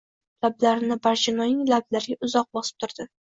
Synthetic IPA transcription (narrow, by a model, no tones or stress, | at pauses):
lablaɾɪnɪbaɾd͡ʒɪnɒjɪŋlablaɾɪɡʲaʊzɒq̚bɒsɪ̥p̚t̪ʰʊɾd̪̥ɪ